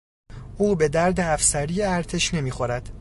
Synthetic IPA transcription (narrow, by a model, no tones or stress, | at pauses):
uːbe̞d̪æɾd̪eæfsæɾijeæɾt̪ʰeʃne̞miːxo̞ɾæd̪̥